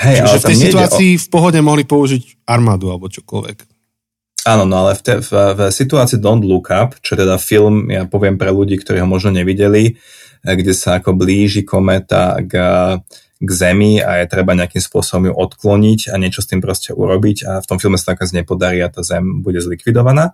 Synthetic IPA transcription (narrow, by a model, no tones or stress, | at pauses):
ɦɛjʔaʒlɛt̪aɛmsɛtuɛaːʔiːfpɔɦɔɟɛmɔɦlipɔuʒic | aɾmaːd̪ualbɔt͡ʃɔ̥kɔ̰lʋɛ̰k | aːnɔnɔalɛft̪ɛffsit̪uaːt͡siːd̪ɔnd̪lukʰapt͡ʃɔɛt̪ɛd̪afilmjapɔʋɪɛmpɾɛluɟiːkt̪ɔɾiːɦɔmɔʒnɔɲɛʋiɟɛli | ɡɟɛsaːkɔbliːʒikɔmɛt̪a̰ɡ | ɡzɛmia̰jɛt̪ɾɛbaɲɛakimspʊɔsɔbɔmjuʔɔt̪klɔɲicaɲɛt͡ʃɔst̪iːmpɾɔscɛʔṵɾɔbicaft̪ɔmfilˠmɛsat̪akazɲɛpɔd̪aɾiːat̪aːzɛmbuɟɛzlikʋid̪ɔʋanaː